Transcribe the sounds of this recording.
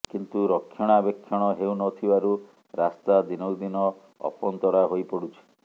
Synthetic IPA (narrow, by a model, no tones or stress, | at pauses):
kint̪uɾɔkʰːjɔɽ̃abekʰːjɔɽ̃ɔɦeunɔt̪ʰibaɾu | ɾast̪ad̪inowd̪inɔ | ɔ̰pɔnt̪ɔɽaɦojpɔɽut͡ʃʰi̥